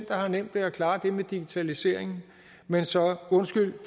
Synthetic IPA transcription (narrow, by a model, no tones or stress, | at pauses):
n̰d̥ɐhɑ̈nem̰d̥ʋe̝ækʰlɑ̈ːd̥e̝med̥iɡ̥it͡sʰælise̝ɐ̰e̝ŋn̩ | mensɒ̽ɔ̽nsɡ̥yl̰f